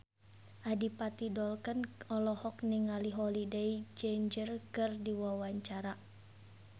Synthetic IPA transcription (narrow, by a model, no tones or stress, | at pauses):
ʔadipat̪idɔlkənɔlɔhɔk̚niŋaliɦɔlideid͡ʒend͡ʒərkɨrdiwawaɲt͡ʃaɾa